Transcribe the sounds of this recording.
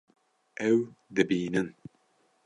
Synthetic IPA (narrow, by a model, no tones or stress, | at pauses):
ʔɛwd̪ɨbiːnɨn